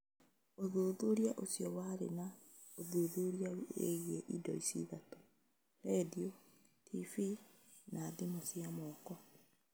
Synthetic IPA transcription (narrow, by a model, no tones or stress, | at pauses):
oðoːðoɾjaʔosjɔwaɾḛna | oðoðoɾiaḛɣɛʔidɔ̰isḭðato̥ | ɾɛdio | tʰifi | naðimosiamɔːkɔ